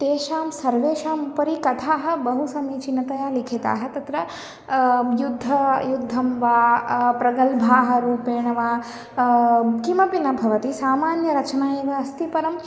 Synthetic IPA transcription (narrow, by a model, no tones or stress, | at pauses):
t̪eːʃaːmsɐɾʋeːʃaːmupɐɾikɐt̪ʰaːɦɐ̆bɐɦusɐmit͡ʃinːɐt̪ɐjaːlikʰet̪a̰ːɦɐt̪ɐt̪ɾɐ | jud̪ʱːɐjud̪ʱːɐmʋaːpɾɐɡɐlbʱaːɦɐ̆ɾuːpeːɳɐʋaː | kimɐpinɐbʱɐʋɐt̪isaːmaːnjɐɾɐt͡ʃɐnaːjeʋɐɐst̪ipɐɾɐm